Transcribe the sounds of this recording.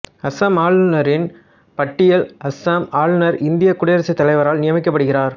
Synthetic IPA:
ɐsaːmaːɭnɐɾɪn | pɐʈːɪjɐlɐsamaːɭnɐɾɪnd̪ɪjɐkʊɽɐjɐɾɐsɐɪt̪ːɐlɐɪʋɐɾaːlnɪjɐmɪkːɐpːɐɽɯɣɪraːɾ

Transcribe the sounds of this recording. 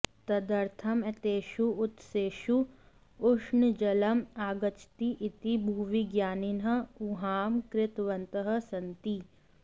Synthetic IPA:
t̪ɐd̪ɐɾt̪ʰɐmɐt̪eːʃuʊt̪seːʃu | ʊʂnd͡ʒɐlɐmaːɡɐt͡ʃʰt̪iʔit̪ibʱuʋiɡjaːninɦɐuɦaːmkɾɪt̪ʋɐnt̪əɦɐ̆sɐnt̪i

